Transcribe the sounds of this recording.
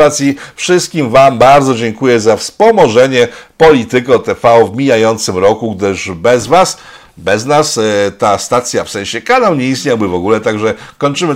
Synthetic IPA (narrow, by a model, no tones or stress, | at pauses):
at̪sʲjifʂɘst̪̚kʲimvambaɾd̪zɔd͡ʑɛŋkujɛzafspɔmɔʐɛɲɛpɔlʲit̪ɘkɔt̪ɛfaɔvmʲijajɔnt̪sɘmɾɔkuɡd̪ɘʐbɛzvas | bɛznast̪ast̪at̪sʲjafsɛ̃ɕɛkanawɲɛist̪ɲawbɘvɔɡulɛt̪aɡʐɛkɔɲt͡ʂɘmɘ